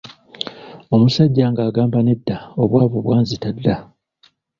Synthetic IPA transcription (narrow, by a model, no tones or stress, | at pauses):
o̞musaɟːaːŋɡaːɡaːmbane̞dːao̞βwaːβoβwaːnzitadːa